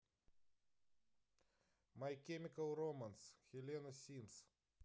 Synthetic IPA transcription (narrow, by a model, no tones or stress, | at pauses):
mɐjkʲɛmʲɪkɐlˠɾɔmɐnsxʲɛlʲenɔsʲiːms